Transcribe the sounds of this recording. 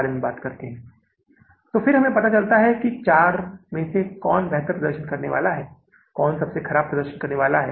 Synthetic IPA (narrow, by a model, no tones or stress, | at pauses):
aɾmebaːt̪kɐɾt̪eɦɛ̃ː | t̪oːfɪɾɦɐmẽpɐt̪at͡ʃɐlt̪aɦɛkit͡ʃaːɾmẽsekɔːnbɛɦt̪əɾpɾɐd̪əɾʃənkɐɾneʋa̰ːlaɦɛː | kɔːnsɐbsexʰɐɾaːb̚pːɾɐd̪əɾʃənkɐɾneʋaːlaɦɛː